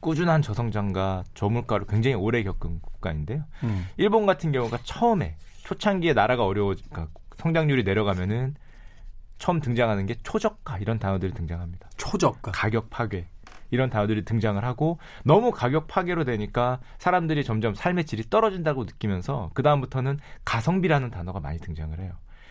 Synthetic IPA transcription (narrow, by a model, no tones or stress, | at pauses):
k͈ud͡ʑunɦant͡ɕʌsʰʌŋd͡ʑaŋɡat͡ɕʌmuɭk͈waɾokwe̞ŋd͡ʑaŋioɾe̞kjʌk͈ɯnɡuk̚k͈aɲinde̞joiɭbonɡatʰɯnɡjʌŋuɡat͡ɕʰʌɯme̞̰t͡ɕʰot͡ɕʰaŋɡie̞naɾaɡaʌɾjʌwʌd͡ʑik͈asʰʌŋd͡ʑaŋɲuɾine̞ɾjʌɣamjʌnɯn | t͡ɕʰʌmtɯŋd͡ʑaŋɦanɯnɡe̞t͡ɕʰod͡ʑʌk̚k͈aiɾʌntanʌdɯɾitɯŋd͡ʑaŋɦamɲid̥at͡ɕʰod͡ʑʌkk͈akaɡjʌk̚pʰaɡɥe̞ | iɾʌntanʌdɯɾitɯŋd͡ʑaŋɯɭɦaɡo | nʌmukaɡjʌk̚pʰaɡe̞ɾodwe̞ɲik͈asʰaɾamdɯɾit͡ɕʌmd͡ʑʌmsʰaɭme̞t͡ɕ͈iɾit͈ʌɾʌd͡ʑindaɡonɯk͈imjʌnsʰʌ̰kɯdaɯmbutʰʌnɯnkasʰʌŋbiɾanɯntanʌɡama̰ɲitɯŋd͡ʑaŋɯɭɦe̞jo